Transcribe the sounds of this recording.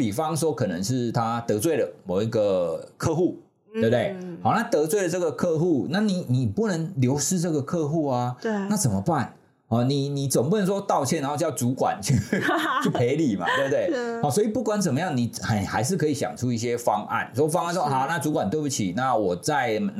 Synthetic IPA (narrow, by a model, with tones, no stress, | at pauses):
pi˨˩fɑ˦ŋʂwɔ˥kʰɤ˨˩nə̰˧˦ŋʂ̬ɻ̩˥˩t̪ʰa˦t̪ɤ˧˥t͡swe˥˩ɪɾə˩mo˨˩ʊi˧˦˥ɡə˨kʰɤ˥˧xu˥˩ | tt̪we˥˩p̚t̪we˥˩ɪhɑ˨ʊna˥˩t̪ɤ˧˥t͡swe˥˩ɪlə˨˩t͡sɤ˥˩ɡə˨kʰɤ˥˧xu˥˩na˥˩ni˨˩ni˨˩pu˥˩nə˧˦ŋljo˧˥ʊʂɻ̩˥˧ʈ͡ʂɤ˥˩ɡə˨˩kʰɤ˥˧xu˥˩a˨˩na˥˩t͡sə˨˩mə˦pa˥˩n | ɔ˥˩ni˨˩ni˨˩t͡sə˨˩ŋp̬u˥˩nə˧˦nʂwɔ˥t̪ɑ˥˧ʊt͡ɕʰjɛ˥˩na˧˦nxo˥˧t͡ɕjɑ˥˩ʊt͡su˨˥kwa̰˨˩nt͡ɕy˥˩t͡ɕʰy˥˩pʰe˧˦ɪli˨˩ma̰˨t̪we˥˧b̚t̪we˥˩hɑ˨˩˦swɔ˧˥i˨˩pu˥˩kwa˨˦nt͡sə˨˩mə˦jɑ˥˩ŋni˨˩a˨˧xa˧˥ɪʂ̬ɻ̩˥˩kʰɤ˧˥i˨˩ɕjɑ̰˨˩ŋʈ͡ʂʰu˦i˥˩ɕ̬jɛ˦fɑ˦ŋʔa̰˥˩nswɔ˥fɑ˥˦ŋa˥˨nswɔ˥ɦa˨˩na˥˩t͡su˧˥kwa˨nt̪we˥˧ɪpu˧t͡ɕʰi˨˩na˥˩wɔ˨˩t͡sa˥˩ɪmə˨˩n